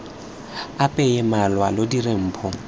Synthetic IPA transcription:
apʼɛjɛmalwalodirem̩ːpʰɔ

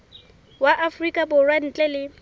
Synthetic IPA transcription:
waʔafrikʼabʊrwan̩t͡ɬʼɛlɪ

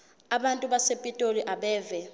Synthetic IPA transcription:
aɓantʼuɓasepʼitʼoliʔaɓɛːvɛ

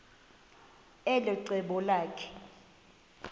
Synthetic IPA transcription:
ɛlɛǀɛɓɔlaːkʰɛ̥

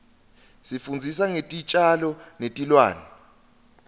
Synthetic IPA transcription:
sifund͡zʱisaŋetʼit͡ʃʼalɔnetʼilwa̰ːnɛ

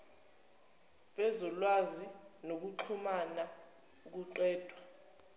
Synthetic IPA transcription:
ɓɛzɔlwazinok̬uǁʰumana | uk̬uǃwɛːd̥ʱwa

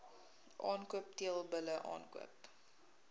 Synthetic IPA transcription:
ʔɑːnkuəp̚tiəlˠbələʔɑ̰ːnkuə̰p

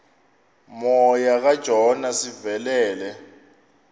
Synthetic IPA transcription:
mɔjaɣad̥ʒ̥ʱɔnasivɛlɛːlɛ

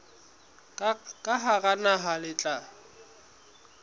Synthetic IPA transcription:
kʼaɦaɣanaɦalɪt͡ɬʼa

